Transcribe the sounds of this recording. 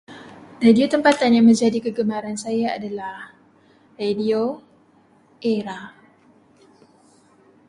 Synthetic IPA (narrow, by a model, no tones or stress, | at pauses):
radiot̪əmpat̪anjaŋmə̃ɲd͡ʒadikəɡəmãɾansajaa̰dalah | radio | ʔeɾa